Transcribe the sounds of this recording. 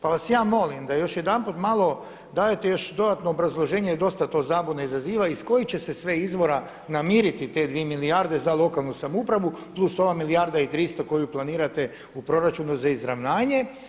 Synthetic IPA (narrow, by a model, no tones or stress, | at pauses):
paʋasjaːmo̞limd̪ajo̞ʃjed̪anput̪malˠo̞ | d̪aːjet̪e̞jo̞ʃd̪o̞d̪at̪no̞ːbɾazlˠo̞ʒe̞ːɲed̪o̞st̪at̪o̞ːzaːbod̪naizaziːʋaisko̞jit͡ɕe̞sesʋe̞izʋo̞ɾa | namiːɾit̪it̪e̞d̪ʋiemilijaɾd̪e̞zalˠo̞kalˠnusamupɾaʋuplˠuso̞ʋamilijaɾd̪ait̪ɾist̪o̞ko̞juplˠaniːɾat̪e | upɾo̞ɾat͡ʃunuzaizɾaʋnaːɲe̞